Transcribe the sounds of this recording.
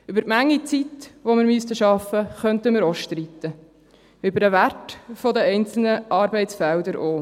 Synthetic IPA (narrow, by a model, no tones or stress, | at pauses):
ybəɾtmæŋːit͡sit̪ʋomɪɾmyst̪əʃɑfəχœnt̪əmɪɾɔʃt̪ɾit̪ə | ʏbəɾəʋærtfɔd̪əɛɪnt͡sl̩nəʔɑːɾbɛɪtsfɛld̪əɾoː